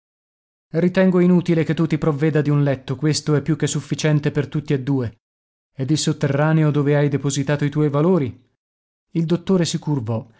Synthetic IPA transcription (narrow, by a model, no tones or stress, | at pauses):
rit̪ɛŋɡoinuːt̪ilek̟et̪ːut̪ipɾovːɛːd̪ad̪iunlɛt̪ːokwest̪oɛpːjukːesːufːit͡ʃɛnt̪epert̪ut̪ːied̪ːuːe | ed̪ilsot̪ːerːaːneod̪oːveajd̪epozit̪aːt̪oit̪wɔjvaloːɾi | ild̪ot̪ːoːɾesikurvɔ